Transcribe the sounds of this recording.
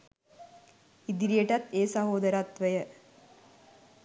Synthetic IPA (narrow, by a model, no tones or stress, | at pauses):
id̪iɾijəʈat̪eːsaɦoːd̪əɾat̪ʋəjə